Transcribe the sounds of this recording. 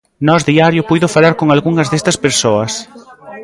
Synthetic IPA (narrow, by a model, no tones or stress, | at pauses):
nɔzðiaɾjʊpujðʊfalaɾkoŋalɣuŋɐzðest̪ɐspeɾsoɐs